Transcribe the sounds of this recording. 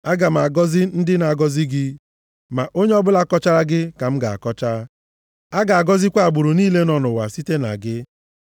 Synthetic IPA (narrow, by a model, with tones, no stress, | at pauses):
a˦ɡa˨ma˨ɡɔ˦zɪ˦n̩˦dɪ˦na˨a˨ɡɔ˦zɪ˦ɡɪ˦ | ma˨ʔo˦ɲe˦ɔ˦bʊ˦la˦kɔ˦t͡ʃa˦ɾa˦ɡɪ˦ka˨m̩˦ɡa˨a̰˨kɔ˦t͡ʃa˦ | a˦ɡa˨a˨ɡɔ˦zɪ˦kʷa˦a˨ɡ͡bʊ˨ɾʊ˨niː˦le˦nɔ˦nʊ˨wa̰˨si˦te˦na̰˨ɡɪ˦